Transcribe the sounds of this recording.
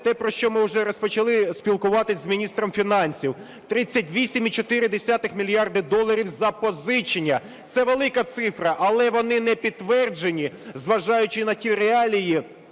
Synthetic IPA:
t̪ɛpɾɔʃt͡ʃɔmɪʊʒɛɾɔspɔt͡ʃɐlˠɪsʲpʲilˠkʊʋɑt̪ɪzmʲinʲist̪ɾɔmfʲinɑnʲsʲiw | t̪ɾɪt͡sʲːɐtʲʋʲisʲimit͡ʃɔt̪ɪɾɪd̪esʲat̪ɪxmʲilʲijɑrd̪ɪd̪ɔlˠːɐɾʲiwzɐpɔzɪt͡ʃɪnʲːɐ | t̪sɛʋelˠɪkɐt̪sɪfɾɐʔɐlˠɛʋɔnɪnɛpʲid̪t̪ːʋɛrd͡ʒenʲizʋɐʒɑjʊt͡ʃɪnɐtʲiɾeɑlʲiji

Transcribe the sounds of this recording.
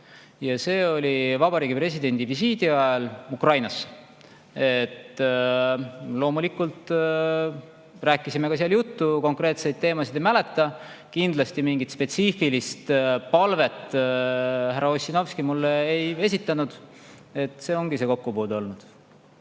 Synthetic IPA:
jɑse̞ːo̞lʲivɑbɑɾiːɡ̥ipɾe̞sʲid̪e̞nʲd̪̥ivisiːd̪iɑelukrɑjnɑs | e̞t̪ː | lo̞ːmulikult̪ | ræːkːˑisime̞kɑsiɑljut̪ːuko̞ŋkre̞ːt̪se̞jd̪̥̚t̪e̞ːmɑsid̪emæle̞t̪ːˑɑ | kind̪lɑst̪imiŋɡ̥it̪spe̞t̪siːfilist̪pɑlve̞t̪ː | hæɾɑo̞sʲino̞vskimulːeeje̞sit̪ːˑɑnud̪̥ | e̞t̪ˑse̞ːo̞ŋɡ̥ise̞ːko̞kːupoːd̪o̞lnud̪̥

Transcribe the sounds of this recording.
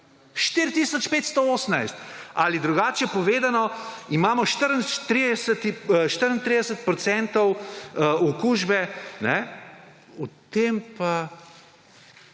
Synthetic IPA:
ʃt̪iɾt̪isɔt͡ʃpeːt̪st̪ooːsənajst̪alid̪ɾuɡaːt͡ʃjɛpɔʋeːd̪anɔimaːmɔʃt̪əɾənʃt̪ɾid̪ɛsət̪iʃt̪əɾənt̪ɾid̪ɛsət̪̚pɾɔt̪sɛnt̪ɔw | ɔkuːʒbɛnɛ | ɔt̪empa

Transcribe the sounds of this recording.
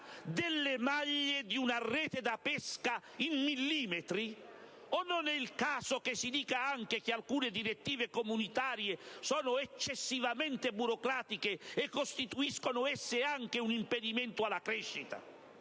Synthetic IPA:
d̪ɪlːemaʎːed̪iunarːɛːt̪ed̪apɛska | imːilːiːmet̪ɾi | ɔnːonɛilkaːsok̟esid̪iːkaaŋk̟ek̟ealkuːned̪iɾet̪ːiːvekomunit̪aːɾjesɔːnʊɛt͡ʃːesːivamɛnt̪ebuɾokɾaːt̪ikeɛkːost̪it̪uiskonʊɛsːeaŋk̟eunimped̪imɛnt̪ʊalːakɾɛʃːit̪a̰

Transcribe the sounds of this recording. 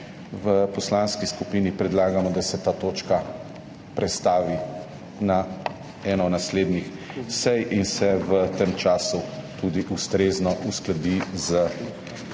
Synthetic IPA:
ʋəpɔslanskiskupiːnipɾɛd̪laːɡamɔd̪asɛt̪aːt̪oːt͡ʃka | pɾɛt̪st̪aːʋi | na | ɛːnɔnasleːd̪nixsɛjinsɛʋət̪emt͡ʃaːsut̪ud̪iʔust̪ɾeːznɔʔusklad̪izə

